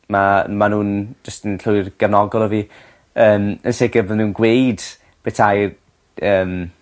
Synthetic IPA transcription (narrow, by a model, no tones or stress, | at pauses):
mamanuːnd͡ʒəstənɬʊɨrɡ̥ɛvnɔɡɔlˠɔvi | əːmənsɪɡəbəðmunɡwejd | b̥etʰaj | əːm